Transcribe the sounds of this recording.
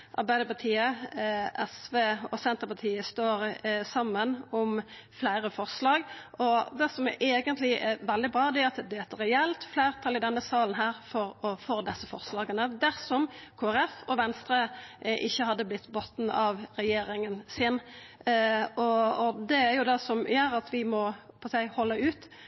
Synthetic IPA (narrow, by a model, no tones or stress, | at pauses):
ʔɑ̰ɾbæɪd̪əpɑʁt̪ʰiːəʔɛsʋeːɔsɛnt̪əʁpɑt̪ʰiːəst̪oːɾsɑmːənʊmflæɪɾəfɔʁslɑːɡʔɔd̪ɛsɔmɛʔɛːɡənt̪lɪʔɛʋɛld̪ɪbɾɑːd̪ɛæɾɑt̪̚ɛd̪ɛːt̪ːəɾɛɛlt̪flæɪɾt̪ʰɑlɪd̪ɛnːəsɑːln̩ɦæːɾfɔɾɔfoːd̪ɛsːəfɔʁslɑːɡənəd̪æʁsɔmkʰoːæɾɛfɔʋɛnst̪ɾəʔɪçːəhɑd̪ːəblɪt̪ːbot̪n̩ɑʋɾɛjeːɾɪŋənsɪn | ɔɔd̪ɛæɾjʊd̪ɛsɔmjøːɾɑt̪ʋɪmɔpʰɔsæɪhɔlːəʉːt̪